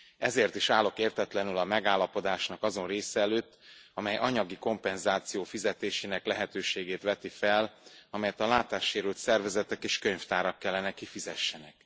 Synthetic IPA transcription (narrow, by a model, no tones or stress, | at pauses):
ɛzeːrt̪iʃaːlːo̞keːrt̪ɛt̪lɛnylɒmɛɡaːlːɒpo̞d̪aːʃnɒkɒzo̞nreːsɛːløːt̪ːɒmɛjʔɒɲɒɡiko̞mpɛnzaːt̪sijoːfizɛt̪eːʃeːnɛklɛɦɛt̪øːʃeːɡeːt̪ʋɛt̪ifɛlɒmɛjɛt̪ɒlaːt̪aːʃːeːɾylt̪sɛrvɛzɛt̪ɛkeːʃkøɲft̪aːɾɒkːɛlːɛnɛkifizɛʃːɛnɛk̚